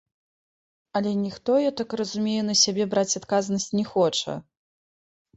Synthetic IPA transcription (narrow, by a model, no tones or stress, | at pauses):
ɐlʲɛnʲixt̪ɔjɛt̪akrɐzumʲejɛnɐsʲabʲɛbɾat͡sʲat̪kaznɐsʲt͡sʲnʲɛxɔt͡ʂɐ̰